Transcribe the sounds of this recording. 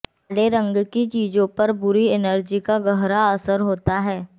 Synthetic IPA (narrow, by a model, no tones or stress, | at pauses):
leɾɐ̃ŋɡkit͡ʃiːzõpɐɾbʊɾiɪnəɾd͡ʒikaɡɐɦɾaɐsəɾɦoːt̪aɦɛː